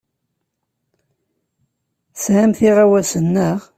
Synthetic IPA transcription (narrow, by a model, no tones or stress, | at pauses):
sʕæmθiʁawæsənːəʁ